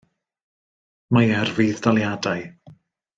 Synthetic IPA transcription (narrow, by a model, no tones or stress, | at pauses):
majɛrviðdalˠjadaj